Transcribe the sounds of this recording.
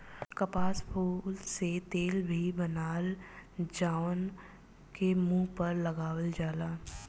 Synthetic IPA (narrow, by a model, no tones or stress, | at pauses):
kəpaːspʰuːlset̪eːlbʱibɐnaːld͡ʒaːʊn | kemũːpɐɾlɐɡaːwəld͡ʒaːlaː